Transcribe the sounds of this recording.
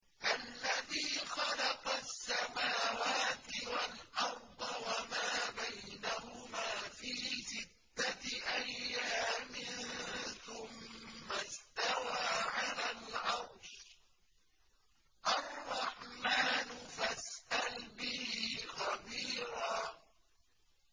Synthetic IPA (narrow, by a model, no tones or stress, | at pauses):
ʔalːaðiːxɑlɑqɑsːamaːwaːt̪ɪwalʔɑɾˤd̪ˤɑwamaːbajjnahʊmaːfiːsɪd̪ːaʔajːaːmɪnθʊmːast̪awaːʕalaːlʕɑɾˤʃ | ʔɑrˤːɑħmaːnʊfasʔalbɪhiːxɑbiːɾaː